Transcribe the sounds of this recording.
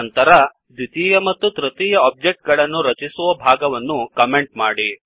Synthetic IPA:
nt̪ɐɾɐ | d̪ʱit̪iːjɐmɐt̪ːut̪ɾɐt̪iːjɐɔːp̚d͡ʒe̞k̚ʈ̚ɡɐɭɐnːuɾɐt͡ʃisuʋɐbʱaːɡɐʋɐnːukɐme̞ɳʈmaːɽi

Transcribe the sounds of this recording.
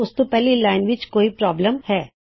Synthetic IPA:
ʊst̪opɛɦlilaːɪnʋɪt͡ʃkoːipɾɔːbləmhɛː

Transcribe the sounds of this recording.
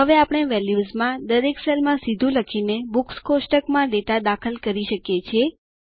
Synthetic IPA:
ɦəʋeapɽ̃eʋɛljuzmãd̪əɾeksɛlmãsid̪ʱũləkʰinebukskosʈəkmãɖeʈad̪akʰəlkəɾiʃəkjet͡ʃʰie

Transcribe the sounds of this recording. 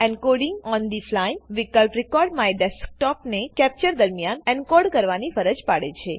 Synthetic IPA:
ɛɳkoɖiŋɡɔnd̪iflajʋikəlpɾikɔɾɖmãeɖɛsk̚ʈɔpnekɛp̚t͡ʃəɾd̪əɾmijanɛɳkoɖkəɾʋanifəɾəd͡ʒpaɽet͡ʃʰe

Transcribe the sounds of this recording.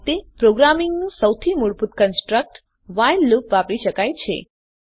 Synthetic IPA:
t̪epɾoɡɾamɪŋɡnũsəwt̪ʰimuɭput̪kənsʈɾək̚ʈ | ʋajlːupʋapɽiʃəkajt͡ʃʰḛ

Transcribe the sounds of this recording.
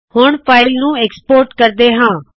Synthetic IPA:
hʊɳpʰaːɪlnũːeːkspoːɾʈkəɾd̪eːɦãː

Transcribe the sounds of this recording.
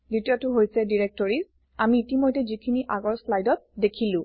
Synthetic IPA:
dutiatʊɦojsɛdiɹek̚tɔɹis | amiːtimojtɛzikʰiniʔaɡɔɹslajdɔt̚dekʰilʊ̃

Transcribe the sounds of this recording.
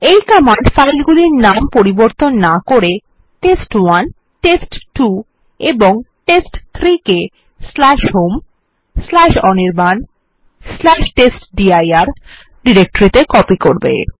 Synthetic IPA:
ejkɔmaɳɖfajlɡuliɾnampoɾiboɾt̪onːakoɾe | ʈesʈwan | ʈesʈʈu | eboŋʈesʈt̪ʰɾike | slaʃɦom | slaʃɔneɾban | slaʃʈesʈɖiajaɾ | ɖiɾek̚ʈoɾit̪ekɔpikoɾbḛ

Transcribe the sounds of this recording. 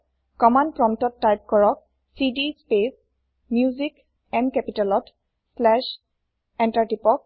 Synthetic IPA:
kɔmanpɹɔmtɔtːajp̚kɔɹɔk̚ | sidispes | mjuzik | ɛnkɛpitalɔt | slɛʃ | ɛntaɹtipɔk̚

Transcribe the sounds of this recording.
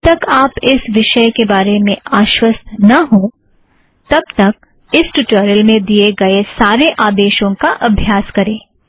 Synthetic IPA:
t̪ɐkaːpɪsʋɪʃəjkebaːɾemẽaːʃwəst̪ʰnɐɦõ | t̪ɐb̚t̪ɐk̚ | ɪsʈuːʈoːɾəlmẽd̪ieɡɐesaːɾeʔaːd̪eːʃõkaʔɐbʱjaːskɐɾẽː

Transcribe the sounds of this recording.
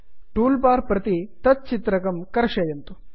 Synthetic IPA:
ʈuːlpaːɾpɾɐt̪it̪ɐt̪̚t͡ʃit̪ɾɐkɐmkɐɾɐʂɐːjɐnt̪u

